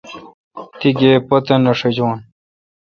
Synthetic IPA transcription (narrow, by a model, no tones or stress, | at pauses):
t̪iɡeːpɐt̪enɐʂed͡ʑwoːn